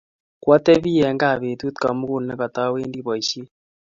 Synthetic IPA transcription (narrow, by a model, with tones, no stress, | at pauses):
kwa˦t̪e˦βi˦jɛ˨˦ŋɡa˦˨βe˨t̪u˦t̪ka˨mu˦ku˦˨nnɛ˦kɔ˨t̪a˦weː˦ndi˦βɔ˨i˨ʃi˦